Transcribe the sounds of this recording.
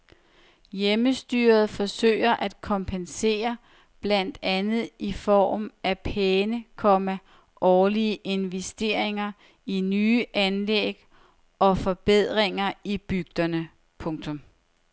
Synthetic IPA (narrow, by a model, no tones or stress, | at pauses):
jeməsd̥y̰ːɐð̞̩ˠfɒ̽sø̰ːɪɐʔæd̥kʰɒ̽mpʰense̝̰ːɐ | b̥læn̰d̥ænð̞̩ˠifɒ̰ːmʔæpʰeːnəkʰɒ̽mæ | ʔɒːliəʔe̝nʋesd̥e̝ːɐ̰e̝ŋɐ | inyːʔænleɡ̥ | ɒ̽fɒ̽b̥eð̰ˠʁeŋɐib̥yɡ̥̚d̥ɐnə | pʰɔ̽ŋt͡sʰɔ̽m